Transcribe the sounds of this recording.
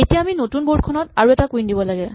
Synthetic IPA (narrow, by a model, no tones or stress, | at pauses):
etijaaminotunbod̚kʰɔnɔtaɹuɛtakuindibɔlaɡɛ